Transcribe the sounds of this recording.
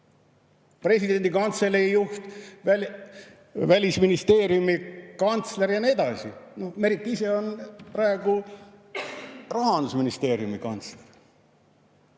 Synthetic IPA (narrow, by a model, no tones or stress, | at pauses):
pre̞sʲid̪e̞nd̪̥ikɑnt̪se̞leijuht̪æ | vælʲisminist̪e̞ːɾjumikɑnt̪sleɾjɑnied̪̥ɑsino̞hme̞ɾit̪ːˑise̞o̞nprɑe̞ɡ̥u | rɑɦɑnd̪usminist̪e̞ːɾjumikɑnt̪sler